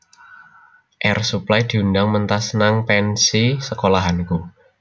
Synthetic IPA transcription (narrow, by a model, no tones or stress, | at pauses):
ʔɛrsuplajd̪̥i̤undaŋmənt̪asnaŋpɛnsisəkolaɦanku